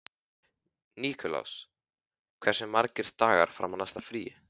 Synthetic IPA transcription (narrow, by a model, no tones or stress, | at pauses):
niːkʰɔla̰ws | kʰv̥ɛr̥sɪmːaɾcɪɾ̥t̪aːɣa̰ɾ̥fɾa̰wmːanast̪afɾiːɪ